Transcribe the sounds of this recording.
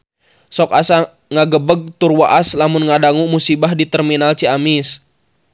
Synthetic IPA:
sɔkasa | ŋaɡəbəɡ̚t̪urwaʔaslamʊnŋadaŋumusibahdit̪ɛrminalt͡ʃiamis

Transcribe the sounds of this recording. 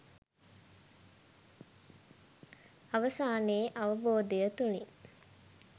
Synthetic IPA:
aʋəsaːneːʔaʋəboːd̪ejət̪uni

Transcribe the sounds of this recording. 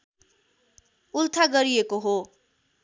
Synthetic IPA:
ult̪ʰaɡʌɾijekoɦo

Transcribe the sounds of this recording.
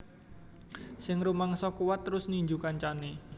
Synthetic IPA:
sɪŋrumaŋsɔkuwat̪ːəɾʊsniɲd͡ʒukant͡ʃane

